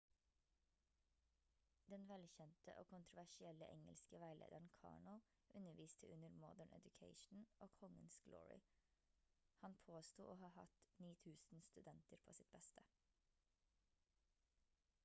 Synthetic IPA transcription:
d̪ɛnʋɛlçɛnt̪ʰəʔoːkʰʊnt̪ɾʊʋæʃɪɛləʔɛŋə̰lskəʋæɪlʔḛːd̪əɳkʰɑ̰ːɳɔ | ʔʉnəʋiːst̪ʰəʉnəɾmɔd̪əɳʔɛ̰d̪ʉkʰeɪʃn̩ʔoːkʰɔŋənsɡ̥lɔ̰ːɹɪ̰ | hɑnpʰoːst̪uːʔoːhɑːhɑ̰t̪niːt̪ʰʉːsn̩st̪ʉd̪ɛnt̪əɾpʰoːsɪt̪̚bɛst̪ʰə

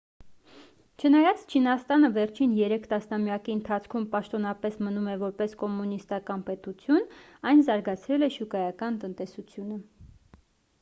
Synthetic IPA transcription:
t͡ʃʰənɑjɑt͡st͡ʃʰinɑst̪ɑnəvɛɾt͡ʃʰinjɛɾɛkʰt̪ɑsnɑmjɑkiənt̪ʰɑt͡sʰkʰumpɑʃt̪ɔnɑpɛsmənumɛvɔɾpɛskɔmunist̪ɑkɑnpɛt̪ut͡sʰjunɑjnzɑɾɡɑt͡sʰɾɛlɛʃukɑjɑkɑnt̪ənt̪ɛsut͡sʰjunə

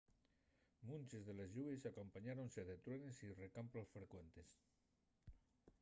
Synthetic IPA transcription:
munʲt͡ʃezðelezʎuesakompaɲaɾonseðet̪ɾwenesirekampɾolsfɾekwent̪es

